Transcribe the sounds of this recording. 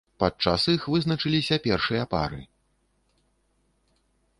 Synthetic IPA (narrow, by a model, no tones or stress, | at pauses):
pat͡ʂasixvɨznɐt͡ʂɨlʲisʲɐpʲɛrʂɨjɐpa̰ɾɨ̰